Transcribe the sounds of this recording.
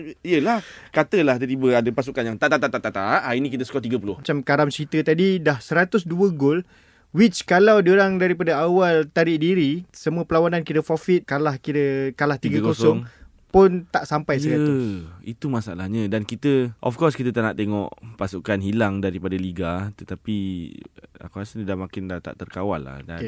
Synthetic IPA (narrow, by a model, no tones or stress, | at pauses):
iəlahkat̪əlaht̪ətibəadəpasukanjaŋt̪at̪at̪at̪at̪at̪aʔainĩkit̪əsə̥kɔt̪iɡəpulʊhmat͡ʃamkaɾamt͡ʃəɾit̪ət̪adidahsəɾat̪ʊsduəɡʊl | wit͡ʃkalawdəɾaŋdaɾipadaawalt̪aɾɪʔdiɾisəmũəpəlawanankiɾəfɔfiɪt̪̚kalahkiɾəkalaht̪iɡakosɔŋ | pʊnt̪aʔsampajsəɾat̪ʊit̪umasaa̰lahɲãdankit̪əʔɔfkɔrskit̪ət̪aʔnaʔt̪eŋɔ̰ʔpasukanɦilaŋdaɾipadaliɡat̪ət̪api | a̰kasənidahmakɪndat̪a̰ʔt̪ərkawa̰lːa̰hda̰